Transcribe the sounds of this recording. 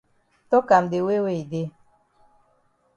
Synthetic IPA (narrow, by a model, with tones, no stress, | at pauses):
tɔ˦ka˨mde˨we˦we˦˨i˨de˦